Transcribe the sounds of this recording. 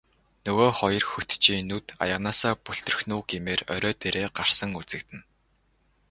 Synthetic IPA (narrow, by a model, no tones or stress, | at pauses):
nɵɣoːχɔjɞ̆rxɵt̪t͡ɕiːnut̪a̰jə̆ʁnaːsaːpuɬt̪ɵ̆r̆xnuːɡemeːrœ̰ɾʲœːt̪eɾeːɢar̥sə̆ŋut͡sɘ̆k̚t̪ɘ̆n